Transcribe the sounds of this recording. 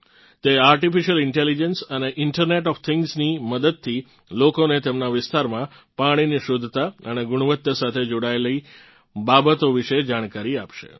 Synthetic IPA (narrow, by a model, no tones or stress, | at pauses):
t̪eaɾʈifiʃəlɪɳʈelid͡ʒənsəneʔɪɳʈəɾneʈɔft̪ʰɪŋɡzniməd̪əd̪̚t̪ʰːi | lokonet̪emnaʋɪst̪aɾmã | paɽ̃iniʃod̪ʱːt̪aəneɡʊɽ̃uʋət̪jəsat̪ʰed͡ʒoɽaeləi | babət̪oʋɪʃed͡ʒaɽ̃kaɾiapʃḛ